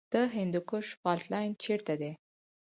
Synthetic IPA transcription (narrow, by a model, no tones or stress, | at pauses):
d̪̥əɦɪnd̪ukʊʂfɑltlɑjnt͡ʃeɾt̪ad̪e